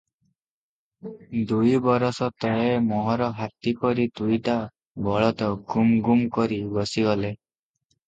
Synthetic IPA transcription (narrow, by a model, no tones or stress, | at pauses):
d̪ujbɔɾɔsɔt̪ɔemɔɦɔɾɔɦat̪ipɔɾit̪ujʈa | bɔɭɔt̪ɔɡumɡumkɔɾibɔsiɡɔle